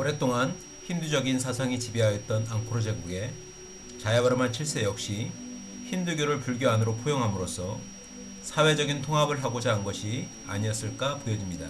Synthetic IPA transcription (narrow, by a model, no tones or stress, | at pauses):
ʌɾe̞t͈oŋan | çimdud͡ʑʌɡins̬ʰas̬ʰaŋit͡ɕibiɦajʌt̚t͈ʌnaŋkʰoɾod͡ʑeɡuɡe̞ | t͡ɕajabaɾɯmant͡ɕʰiɭs͈ejʌk̚ɕ͈i | çimdɯɡjoɾɯɭpuɭɡjoanɯɾopʰojoŋɦamɯɾosʰʌ | sʰawe̞d͡ʑʌɡintʰoŋɦabɯɭɦaɡod͡ʑanɡʌɕʰi | a̰ɲiʌs͈ɯɭk͈apojʌd͡ʑimɲida